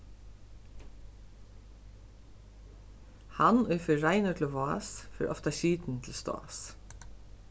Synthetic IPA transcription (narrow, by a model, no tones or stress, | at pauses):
hanʊjɪfɪɾɾaɪnʊt̪lɪvɔːsfɪ̰ɾʔɔ̰ft̪aɕiːt̪nt̪ʰɪlst̪ɔ̰ːs